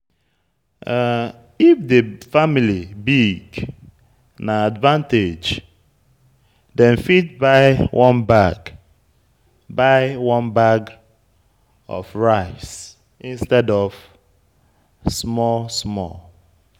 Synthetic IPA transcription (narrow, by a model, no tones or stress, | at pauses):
ifdefamilibiɡ | naadvãnted͡ʒ | dɛ̃nfit̚baɪwʔɔ̃nbaɡ | baɪwɔ̃nbaɡ | ɔ̰vɹaɪs | ĩnstɛdɔv̥ | smɔlsmɔ̰l